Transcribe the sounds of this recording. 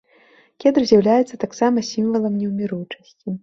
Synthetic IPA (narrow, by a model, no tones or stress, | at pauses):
kʲɛd̪rzʲjawlʲajɛt̪sːɐt̪aksamɐsʲimvɐlˠɐmnʲɛwmʲiɾujt͡ʂɐsʲt͡sʲi